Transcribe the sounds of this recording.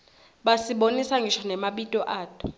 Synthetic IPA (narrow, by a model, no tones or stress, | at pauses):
ɓasiɓonisaŋɡʱiʃanɛmaɓitʼɔʔaːtʼɔ̥